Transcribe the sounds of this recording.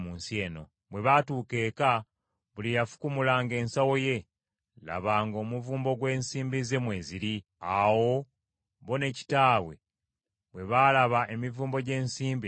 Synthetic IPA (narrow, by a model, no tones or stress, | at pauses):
muːnsie̞ːno̞ | βwe̞βatuːke̞ːka | βulijafu̥kumulaːŋɡe̞ːnsawo̞je̞ | la̰βaːŋɡo̞ːmuvuːmbo̞ɡwe̞ːnsiːmbize̞mwe̞ːziɾi | awo̞ | βo̞ne̞ci̥taːwe̞̰ | βwe̞βalaβaʔe̞mivuːmbo̞ɟe̞ːnsiːmbi